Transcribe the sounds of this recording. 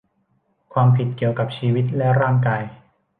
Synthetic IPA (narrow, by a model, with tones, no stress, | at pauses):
kʰwaː˧mpʰi˨˩t̪̚ki˨˩əwka˨˩p̚t͡ɕʰiː˧wi˦˥t̪̚lɛ˦˥ɾaː˥˩ŋkaː˧j